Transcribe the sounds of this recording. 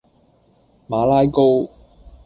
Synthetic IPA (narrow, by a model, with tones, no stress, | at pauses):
maː˨˧laː˥jko˥w